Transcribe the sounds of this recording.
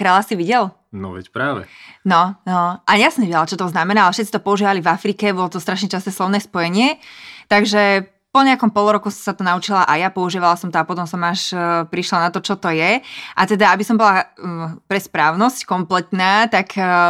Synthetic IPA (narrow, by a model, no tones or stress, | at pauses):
kɾaːlasiʋiɟɛl | nɔ̰ʋɛ̰cpɾaːʋɛ̰nɔnɔʔaɲasɔmɲɛʋijɟɛlat͡ʃɔt̪ɔznamɛnaːalɛfʃɛt̪t͡sit̪ɔpɔuʒiːʋalivafɾikɛbɔlɔt̪ɔst̪ɾaʃɲɛt͡ʃast̪nɛːslɔʊnɛːspɔjɛɲɪɛt̪aɡʒɛ | pɔɲɛakɔmpɔluɾɔkusat̪ɔnaut͡ʃilaʔajapɔuʒiːʋalasɔmt̪ɔapɔt̪ɔmsɔmaʃpɾiʃlanat̪ɔt͡ʃɔt̪ɔjɛʔat̪ɛd̪aabisɔmbɔlapɾɛspɾaːʊnɔsckɔmplɛt̪naːt̪ak